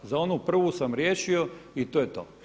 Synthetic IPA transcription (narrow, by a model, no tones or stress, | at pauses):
zao̞nupr̩ʋusamɾjeːʃioit̪ojet̪o̰ː